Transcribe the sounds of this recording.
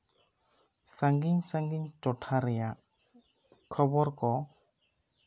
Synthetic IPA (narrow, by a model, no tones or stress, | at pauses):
saŋɡiɲsaŋɡiɲtɔʈʰaɾɛjaʔ | kʰɔbɔɾkɔ